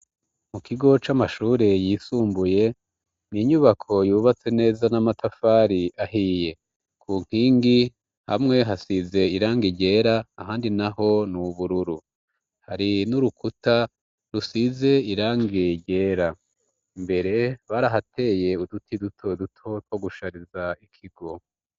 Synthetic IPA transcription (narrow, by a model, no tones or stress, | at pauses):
mukʰiɡo̞t͡ʃamaʃuːɾe̞jiːsuːmbuje̞ | niɲuβakʰo̞juːβat͡se̞ne̞ːzanamatʰafaːɾiaɦije̞ | kʰuŋ̥hiːŋɡi | ha̰mŋe̞ɦasize̞iɾaːŋɡiɟe̞ːɾaahaːndinaho̞nuβuɾuɾu | haɾinuɾukuta | ɾusize̞iɾaːŋɡiɟe̞ːɾa | mbe̞ɾe̞βaɾaɦatʰe̞ːje̞udutidutʰodutʰo̞two̞ɡuʃaɾizaikʰiɡo̞